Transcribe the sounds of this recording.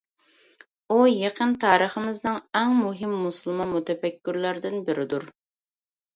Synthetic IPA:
ujeqʰənt̪ʰɑːɾəχəmɪznɨŋɛŋmuɦɪmːuslˠmɑnmut̪ʰɛfɛkʲːyɾlæɾd̪ɪnbɪɾɪd̪uɾ

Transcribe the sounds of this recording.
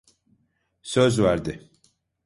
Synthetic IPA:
søzvæɾd̪ɪ

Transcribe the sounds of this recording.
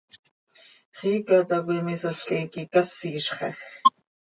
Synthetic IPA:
χiːkat̪akʷimisaɬkajkikasiːʃχɑ̰x

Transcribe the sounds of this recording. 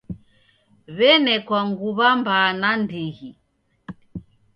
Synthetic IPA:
βɛnɛkwaŋɡuβambaːnandiɣi

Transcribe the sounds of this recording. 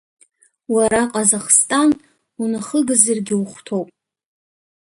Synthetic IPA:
waɾaqʼazaχstʼan | unɨχəɡɨzɨrɡʲɪuχʷtʰo̞wpʼ

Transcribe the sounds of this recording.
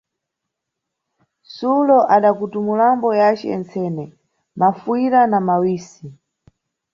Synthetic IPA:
sulɔʔaɗakutumulambɔjat͡ʃɛ̰ɛ̰nt͡sʰɛːnɛ | mafuiɾanamawiːsi

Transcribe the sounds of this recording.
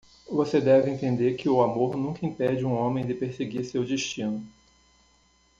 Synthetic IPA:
vosed̪ɛvɪẽnt̪ẽnd̪eɾkɪʊamoɾnũkɐĩpɛd͡ʒɪũõmẽj̃d̪ɪpeɾseɡiɾsewd͡ʒiʃt͡ʃĩnʊ

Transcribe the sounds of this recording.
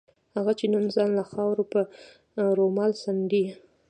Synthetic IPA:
haɣat͡ʃenanzɑnlaxɑwɾopə | ɾomɑlsand̪i

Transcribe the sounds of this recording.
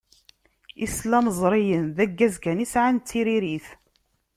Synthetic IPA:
islæməzˤɾˤijənðæɡːæzkænisʕant͡sːiɾiɾiθ

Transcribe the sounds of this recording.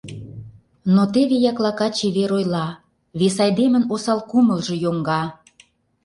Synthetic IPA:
not̪eβejɑklɑkɑt͡ɕeβeɾojlɑ | βesɑjd̪emə̆nosɑlkuməlʒĕjoŋɡɑ

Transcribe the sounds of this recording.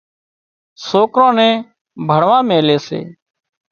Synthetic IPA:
soːkɾõːnɛ̃ː | bʱəɽʋãːmẽːleːsḛː

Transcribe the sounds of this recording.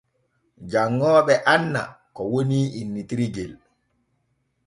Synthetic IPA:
d͡ʒaŋːɔːɓɛʔanːa̰kɔwoniːinːitiɾiɡɛl

